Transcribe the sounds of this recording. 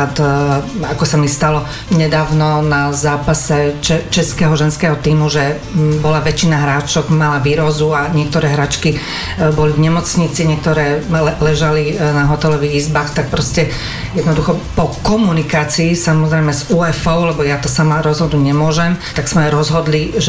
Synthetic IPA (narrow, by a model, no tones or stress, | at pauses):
at̪akɔsamist̪alɔ | ɲɛd̪aːʊnɔnazaːpasɛt͡ʃɛt͡ʃɛskɛːɦɔʒɛnskɛːɦɔt̪iːmuʒɛ | bɔlaʋɛt͡ʃinaɦɾaːt͡ʃɔɡmalaʋiːɾɔzuaɲɪɛk̚t̪ɔɾɛːɦɾaːt͡ʃki | bɔlivɲɛmɔt͡sɲit͡siɲɪɛk̚t̪ɔɾɛːɛlɛʒalinaɦɔt̪ɛlɔʋiɣizbaːxt̪ak̚pɾɔscɛ | jɛd̪nɔd̪uxɔpɔkɔmunikaːt͡siːsamɔzɾɛjmɛzuːɛfɔʊlɛbɔjat̪ɔsamaɾɔzɦɔd̪nuɟɲɛmʊɔʒɛmt̪aɡsmɛɾɔzɦɔd̪liʒɛ